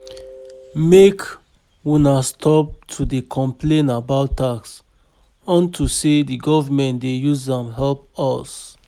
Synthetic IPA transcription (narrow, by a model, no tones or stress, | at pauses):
mek | wunastʰɔp̚tʰudekʰɔ̃mplẽnabaʊtːaks | ɔ̃ntʰusediɡɔvamɛ̃ntdejuzdɛ̃mɦɛlp̚ɔs